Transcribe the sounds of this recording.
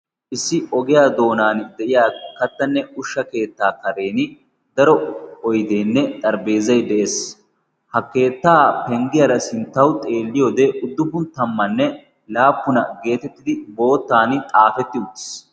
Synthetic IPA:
ʔɪsːɪɔɡɪjaːd̪o̞ːnaːnd̪ɛʔɪjaːkɐt̪ːɐnːɛʊʃːɐke̞ːt̪ːaːkɐɾe̞ːnɪ | d̪ɐɾɔɔjd̪e̞ːnːɛt̪ʼɐɾbe̞ːzɐjd̪ɛʔeːs | hɐkːe̞ːt̪ːaːpɛŋɡɪjɐɾɐsɪnt̪ːɐwʊt̪ʼe̞ːlːɪjoːd̪eːʔʊd̪ːʊbʊnt̪ɐmːɐnːɛ | laːpːʊnɐɡe̞ːt̪ɛt̪ːɪd̪ɪbo̞ːt̪ːaːnɪt̪ʼaːfɛt̪ːɪʊt̪ːɪ̥s

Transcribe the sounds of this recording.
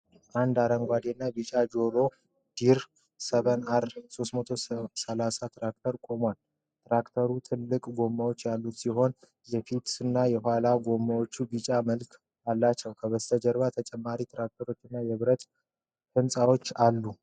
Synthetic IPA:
ʔand̪aɾəŋɡʷad̪enːabit͡ʃʼad͡ʒo̞ɾo̞ | d̪̥iɾ | səβənaɾso̞st̪mət̪ʰo̞səlasat̪ʰɾak̚t̪ʰəɾkʼo̞mal | t̪ʰɾakt̪ʰəɾut̪ʰɨlːɨkʼɡo̞mːawot͡ʃːjalːut̪siɦo̞n | jɛfit̪ɨnːajɛɦʷalaɡo̞mːawo̞t͡ʃːubit͡ʃʼaməlkʰ | alːat͡ʃːəwkʰəβəst̪ʰəd͡ʒəɾβat̪ʰət͡ʃʼɛmːaɾit̪ɾak̚t̪ʰəɾo̞t͡ʃːɪnːajɛβɨɾət̪ | fɨnsʼawo̞t͡ʃːalːu

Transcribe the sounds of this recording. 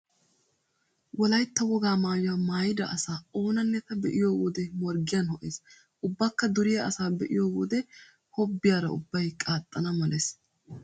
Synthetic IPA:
wɔlɐjt̪ːɐwɔɡaːmaːjʊɐmaːjɪd̪ɐʔɐsaːo̞ːnɐnːɛt̪ɐbɛʔɪjoːwɔd̪ɛmɔɾɡɪjɐnhɔʔeːs | ʔʊbːakːɐd̪ʊɾɪjɐɐsaːbɛʔɪjoːwɔd̪ɛ | hɔbːɪjaːɾɐʊ̰bːɐjkʼaːt̪ʼːɐnɐmɐleːs

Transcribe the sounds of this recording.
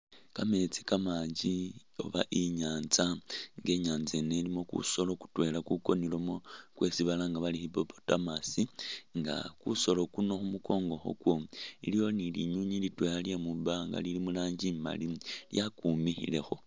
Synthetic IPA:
kame̞t͡si̥kamaːɲd͡ʒi | o̰βaʔiɲaːnzaŋɡe̞ɲaːnze̞ne̞limo̞kṵso̞lo̞ku̥twe̞lakuko̞nilomokwe̞siβalaŋɡaβalixipopo̥tamasiŋɡa̰kuso̞lo̞kuno̞xumuko̞ːŋɡo̞xo̞̰kwo̞ḭlijo̞nilḭɲuɲilitwealjemuβaŋɡa̰lilimulaːɲɟima̰liljakumixḭle̞xo̞

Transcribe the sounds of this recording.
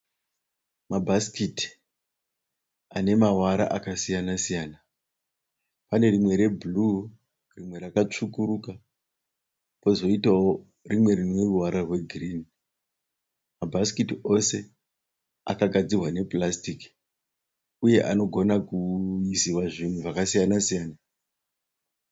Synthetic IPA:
mabʱaskiti̥ | ane̞mawaɾa̰ʔakasijanasijaːna | pane̞rimwe̞ɾe̞bʱulu | rimwe̞ɾakat͡ʂukuɾuka | po̞zo̞itao | rimwe̞rinwe̞ruwaɾarwe̞ɡʱrini | mabʱaskitio̞se̞ | a̰kaɡʱad͡zirwane̞plastik | uje̞ʔano̞ɡʱo̞nakuisiwaʐin̤uʐakasijanasijaːna

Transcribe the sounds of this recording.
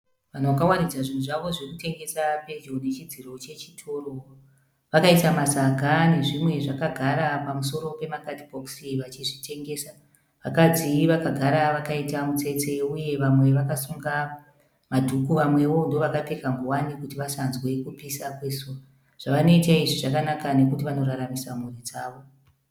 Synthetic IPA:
ʋan̤oʋakawanid͡zaʐin̤uʐaʋo̞ʐikute̞ŋɡe̞sape̞d͡ʒone̞t͡ʃid͡ziɾo̞t͡ʃe̞t͡ʃi̥tʰo̞ro | ʋakaitamasaɡʱane̞ʐimwe̞ʐakaɡʱaɾapamuso̞ɾo̞pe̞makatibʱoksiʋat͡ʃiʐite̞ŋɡe̞ːsa | ʋakad͡ziʋakaɡʱaɾaʋakaitamut͡se̞t͡se̞uje̞ʋamwe̞ʋakasuŋɡa | madʱukuʋamwe̞ʋo̞ndo̞ʋakape̞kaŋɡuwanikutiʋasanzwe̞kupisakwe̞so | ʐ̥aʋano̞itaiʐiʐakanakane̞kutiʋano̞ɾaɾamisamurid͡zaːʋo̞

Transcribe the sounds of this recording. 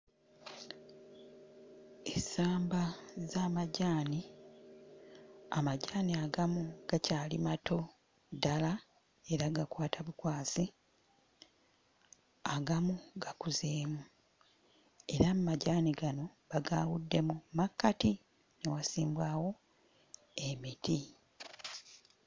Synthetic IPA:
esaːmbazaːmaɟaːni | amaɟaːniaɡamuɡ̥acaːlimato̞ | dala | e̞ɾaɡakwaːtʰaβukwaːsi | aɡamuɡakuzeːmu | e̞ɾammːaɟaːniɡano̞βaɡaːwudːe̞mumakːati | newasiːmbwaːwo̞ | e̞mitʰi

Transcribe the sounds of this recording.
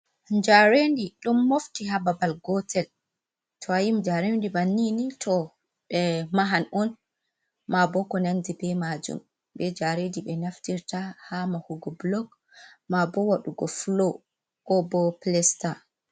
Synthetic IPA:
d͡ʒaɾendiɗumːoftiɦababalɡɔtʰɛl | tʰɔajimd͡ʒaɾendibanːinitʰɔ | ɓɛmaɦanɔn | mabɔkɔnandibɛmad͡ʒṵm | bɛd͡ʒaɾediɓɛnaftiɾtahamahuɡɔblɔk | mabɔwaɗuɡɔflo | kɔbɔplɛsta

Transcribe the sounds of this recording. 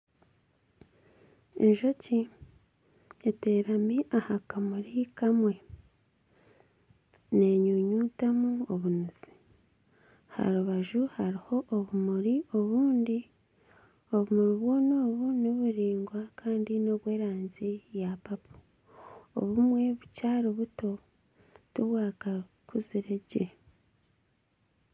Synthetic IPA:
enʒo̞ci | ete̞ɾamiʔahakamuɾikamwe̞ | ne̞ːɲuːɲuːtamuoβunuz̥i̥ | ha̰ɾuβaʒuhaɾiho̞ʔːβumuɾio̞βuːndi | o̞βumuɾiβwo̞noːβunoβuɾiːŋɡwakʰaːndino̞βwe̞ːɾaːɲzijapapʰu̥ | o̰βumwe̞βucaːɾiβuto̞ | tuβwaːkakʰuziɾeɟe

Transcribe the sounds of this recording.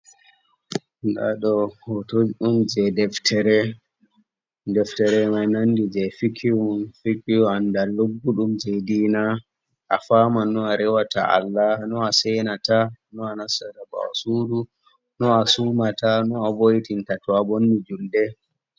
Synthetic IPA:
nda̰ɗɔhɔtod͡ʒɗumd͡ʒɛdɛftʰɛɾɛ | dɛftɛɾɛmanandid͡ʒɛfikʰiwfikiandalobːuɗumd͡ʒediːna | ʔa̰famanːɔaɾɛwata̰ʔa̰lːanɔasɛnatanɔanasadaba̰a̰sudu | nɔasumatanɔabojtintatɔabonːid͡ʒuldɛ

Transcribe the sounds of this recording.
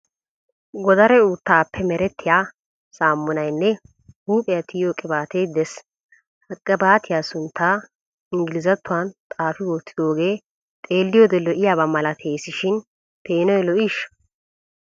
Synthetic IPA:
ɡɔd̪ɐɾɛuːt̪ːaːpːɛmɛɾɛt̪ːɪjaː | saːmːʊnɐjnːɛ | huːpʼɛjɐt̪ɪjoːkʼɪbaːt̪ejd̪ɛs | hɐkʼːɐbaːt̪ʰɪjaːsʊnt̪ʰːaː | ɪŋɡɪlɪzɐt̪ːʊwant̪ʼaːfɪwoːt̪ːɪ̥d̪o̞ːɡeː | t̪ʼe̞ːlːɪjoːd̪ɛlɔʔɪjaːbɐmɐlɐt̪ʰeːsɪʃɪn | pʰe̞ːnɔjlɔʔiːʃ

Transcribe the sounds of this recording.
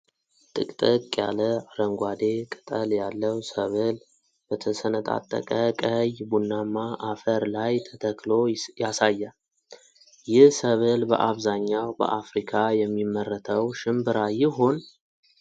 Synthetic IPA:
t̪ʼɨ̰kʼt̪ʼɨkʼja̰ləaɾəŋɡʷad̪e̞kʼɨt̪ʼəljalːəwsəβəl | bət̪ʰəsənət̪ʼa̰t̪ʼːə̰kʼəkʼəjbunːamːaʔafəɾlajt̪ʰət̪ʰəklo̞jasajːa | jɪhsəβɨlbə̰ʔaβzaɲːawbə̰ʔafɾikʰajɛmːimːərət̪ʰəwʃɪmbɨɾajɪɦo̞n

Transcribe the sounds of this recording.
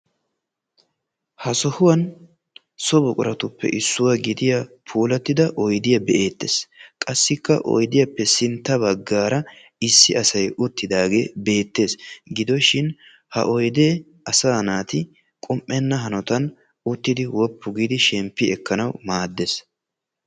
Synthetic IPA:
hɐsɔhʊwɐn | sɔbʊkʼʊɾɐt̪ʊpːɛ̰ʔɪsːʊwɐɡɪd̪ɪjapʰuːlɐt̪ːɪd̪ɐʔɔjd̪ɪjɐbɛʔe̞ːt̪ːeːskʼɐsːɪkːɐ̰ʔɔ̰jd̪ɪjɐpːɛsɪnt̪ːɐbɐɡːaːɾɐ | ɪsːɪɐsɐjʊt̪ːɪd̪aːɡe̞ːbe̞ːt̪ːe̞ːsɡɪd̪ɔʃɪn | hɐ̰ʔɔjd̪eː | ɐsaːnaːt̪ɪ | kʼɔmʔːɛnːɐɦɐnɔt̪ɐn | ʊt̪ːɪd̪ɪwɔpːʊɡid̪ɪʃɛmpːɪɛkːɐnɐwmaːd̪ːes

